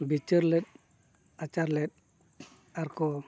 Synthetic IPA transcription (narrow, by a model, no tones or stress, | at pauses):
bit͡ʃəɾlɛt̪̚ | at͡ʃaɾlɛt̪̚ | aɾkɔ